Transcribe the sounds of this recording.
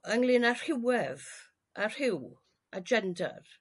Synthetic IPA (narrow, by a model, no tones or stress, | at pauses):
əŋlˠɪnar̥hɪwɛv | ʔar̥hɪw | ad͡ʒɛnda̰r